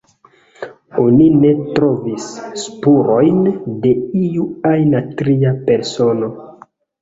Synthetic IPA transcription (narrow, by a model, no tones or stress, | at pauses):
o̞nine̞tɾo̞visːpuɾo̞jnde̞iuajnatɾiape̞ɾso̞no̞